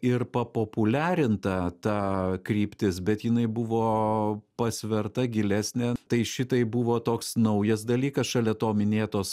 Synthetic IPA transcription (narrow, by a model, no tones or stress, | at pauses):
ɪrpɐpoːpʊlʲæːɾʲɪnt̪ɐt̪ɑkɾʲiːpʲt̪ʲɪsbʲɛt̪jɪnɐɪbʊʋoːpɐsʲʋʲɛrt̪ɐɡʲɪlʲæːsʲnʲɛt̪ɐɪʃʲɪt̪ɐɪbuʋoːt̪oːksnɐʊjɛsd̪ɐlʲiːkɐsʃɐlʲɛt̪oːmʲɪnʲeːt̪oːs